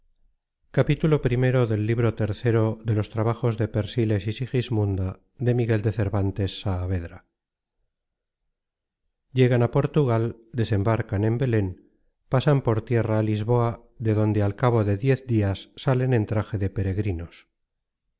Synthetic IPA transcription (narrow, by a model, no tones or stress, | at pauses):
kapit̪ulo̞pɾime̞ɾo̞ðe̞lːiβɾo̞t̪e̞ɾθeɾo̞ðe̞lo̞st̪ɾaβaxo̞zðe̞pe̞ɾsile̞sisixizmũnd̪a | ðe̞miɣe̞ld̪e̞θe̞ɾβant̪e̞sːaːβe̞ðɾa | ɟ͡ʝe̞ɣ̞anapo̞ɾt̪uɣald̪e̞se̞mbaɾkane̞mbe̞le̞n | pasampo̞ɾt̪je̞raːlizβo̞a | ðe̞ðo̞nd̪e̞alkaβ̞o̞ðe̞ðje̞θd̪iasːale̞nẽ̞nt̪ɾaxe̞ðe̞pe̞ɾe̞ɣɾino̞s